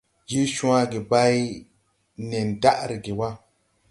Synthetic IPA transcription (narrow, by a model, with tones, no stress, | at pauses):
d͡ʒi˦ʃũ˦a˦ɡi˨ba˦ji˦ | ne˨nda˦ʔɾi˨ɡi˨wa˦